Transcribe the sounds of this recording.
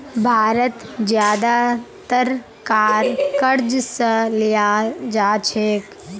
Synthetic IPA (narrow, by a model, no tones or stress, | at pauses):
bʱaːɾət̪d͡ʒjaːd̪at̪əɾ | kaːɾkəɾd͡ʒsəlijad͡ʒaːt͡ʃʰeːk